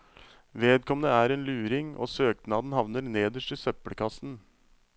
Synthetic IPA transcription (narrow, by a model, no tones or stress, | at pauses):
ʋeːd̪̚kʰɔmnəæːɾeːnlʉːɾɪŋo̰ːsøːknɑːd̪n̩hɑʋnəɾneːd̪əʂʈɪsœpːəɽəkʰɑsn